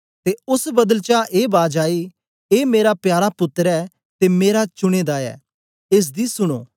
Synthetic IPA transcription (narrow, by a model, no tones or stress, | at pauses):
t̪eːʊsbɐd̪əlt͡ʃaʔeːbaːd͡ʒaːiː | eːmeːɾapjaːɾapʊt̪ːəɾɛː | t̪emeːɾat͡ʃʊɽ̃eːd̪aːɛ̰ː | ɪs̬d̪isʊɽ̃o̰ː